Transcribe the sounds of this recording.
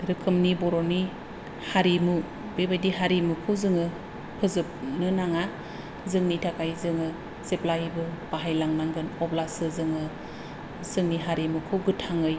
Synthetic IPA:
ɾɯkʰɯmnibɔɾoni | haɾimu | bebajdiɦaɾimɯkʰɯwzɯŋɯ | pʰɯzɯp̚nɯnaŋa | zɯŋnitʰakajzɯŋɯ | seplajbɯb̥aɦajlaŋnaŋɡɯnɔblasɯzɯŋɯ | zɯŋniɦaɾimukʰɯwɡɯtʰaŋɯj

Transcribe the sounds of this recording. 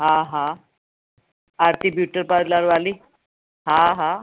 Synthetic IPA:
ɦãɦã | aɾt̪ibjuʈəɾpaɾlaɾʋali | ɦãɦã

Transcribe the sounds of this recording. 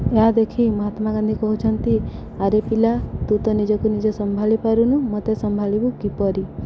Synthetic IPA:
ead̪ekʰiməɦat̪maɡand̪ʱikɔɦut͡ʃʰənt̪i | aɾepilat̪ut̪ɔnid͡ʒɔkunid͡ʒɔsəmbʱalipaɾunũmɔt̪esəmbʱalibukipɔɾi

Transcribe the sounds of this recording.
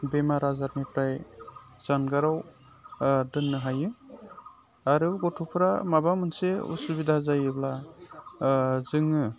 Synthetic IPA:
bemaɾazat̚mepɾajz̥anɡaɾaw | dɯnːɯɦajɯ | aɾɯɡɔtʰupʰɾamabamɯnseṵsubidazajɯbla | zɯŋɯ

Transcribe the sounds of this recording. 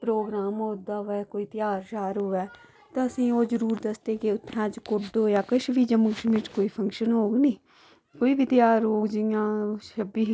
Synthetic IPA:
pɾoːɡɾaːmɦoːd̪aːʋɛːkoːiːt̪ɪjaːɾʃaːɾoːɛː | t̪ãːəsĩːoːd͡ʒəɾuːɾd̪əsd̪eːkeʊt̪ʰːɛ̃ːd͡ʒkʊʈd̪oːjaːkəʃʋiːd͡ʒəməɡʃmiːʈkoːiːpʰə̃ŋkʃənɦoːɡnĩː | koːiːbʱiːt̪ɪjaːɾɦoːɡd͡ʒɪjãːʃəbiː

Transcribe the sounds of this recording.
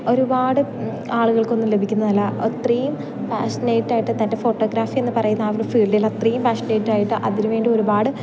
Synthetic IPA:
o̞ɾubaːɽɨ | aːɭuɣɐɭko̞nːumle̞bʱikʲːunːɐnɐlːɐt̪rijum | faːsneːjiʈːaːjiʈːɨt̪ɐnde̞fo̞ːʈːo̞ːɡɾaːfie̞nːɨpɐrɐjunːɐːʋɐɾfiːɭɖilːɐt̪rijumpaːʂɐneːjiʈːaːjiʈːɨʔɐðinuʋe̞ːɳɖio̞ɾubaːɽɨ

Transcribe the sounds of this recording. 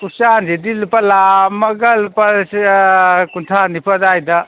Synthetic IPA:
kusand͡ʒedilupalamɐɡɐlupɐ | kuntʰanipʰadajd̪ɐ

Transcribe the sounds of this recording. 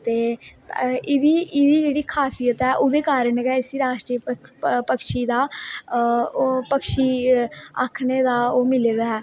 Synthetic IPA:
t̪eː | ɪd̪iːʔɪd̪iːd͡ʒeːɽiːkʰaːsijət̪ɦɛːʔʊd̪eːkaːɾənkɛɪsiːɾaːʃʈɾiːppəkʃiːd̪aː | pəkʰʃiːa̰kʰneːd̪aːoːmɪleːd̪aːɦɛː

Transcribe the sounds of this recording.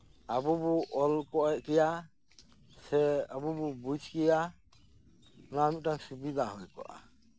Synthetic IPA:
abubuʔɔlkɔʔɛʔkɛja | sɛabububud͡ʒʱkɛja | ʊnaːmit̪̚ʈaŋsubid̪ʱaɦɔjkɔ̰ʔa̰

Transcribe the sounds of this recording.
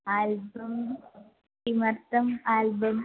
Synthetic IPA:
aːlbɐm | imɐɾt̪ɐmaːlbɐm

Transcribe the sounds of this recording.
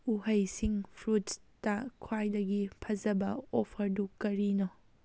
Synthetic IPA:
uɦɐjsiŋpʰɾuttɐkʰwajdɐɡipʰɐzɐbɐopʰɐɾdukɐɾino

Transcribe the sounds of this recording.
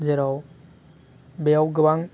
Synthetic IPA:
zeɾaw | bejawɡɯbaŋ

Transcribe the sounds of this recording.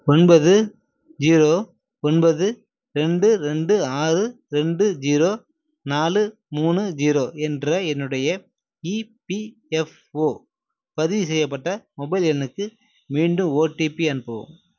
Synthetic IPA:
ɔnbɐðɯ | d͡ʒiːɾoː | ɔnbɐðɯ | ɾɛɳɖɯɾɛɳɖɯaːrɯ | ɾɛɳɖɯd͡ʒiːɾoː | naːlɯ | muːnɯd͡ʒiːɾoːʔɛndrɐɛnːɯɽɐjɐ | ipi | ɛf | oː | pɐðɪʋs̬ɛjːɐp̬ːɐʈːɐmɔbɐɪlɛnɯkːɯ | miːɳɖɯ̃moːʈːipiɐnɯpːɐʋɯ̰̃m

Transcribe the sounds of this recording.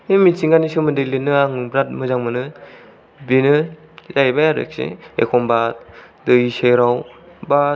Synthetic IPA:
emisiŋɡanisɯmɯndɯjlenːɯaŋbɾat̚mɯzaŋmɯnɯ | binɯ | zajbajaɾḛk̚sḭḛkʰɔmbat̚ | dɯiseɾawba

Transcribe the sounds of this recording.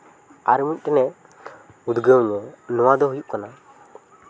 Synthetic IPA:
a̰ɾmut̪̚ˀʈɛnɛ | ud̪ɡəwɲɔnɔwad̪ɔɦujuʔkana

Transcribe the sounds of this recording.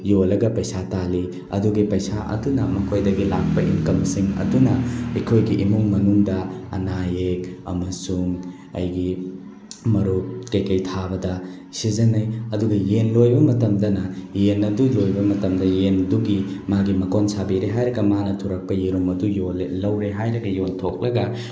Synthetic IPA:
jolɐɡɐpɐjsatali | ɐ̰duɡipɐjsaʔɐ̰dunɐmɐkʰojdɐɡilak̚pɐʔinkɐmsiŋɐ̰dunɐɐjkʰojɡiʔimuŋmɐnuŋdɐɐ̰najekɐ̰mɐsuŋ | ɐ̰jɡi | mɐɾuk̚tekɐjtʰabɐdɐ | sizɐnɐjɐduɡɐjenlojbɐmɐtɐmdɐnɐjenɐdulojbɐmɐtɐmdɐjenduɡimaɡimɐkonsabiɾeɦajɾɐɡɐmanɐtʰuɾɐk̚pɐjeɾomɐdujollɐwɾeɦajɾɐɡɐjontʰok̚lɐɡɐ

